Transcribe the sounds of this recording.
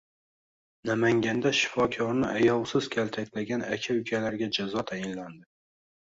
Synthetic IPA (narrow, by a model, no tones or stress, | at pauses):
namaŋɡʲand̪aʃɪ̥fɒkʲʰɒɾnɪʔajɒwsɪz̥kʲʰalt̪ʰakʲlaɡʲanakʲʰaʊkʲʰalaɾɡʲad͡ʒazɒt̪ʰajɪnland̪ɪ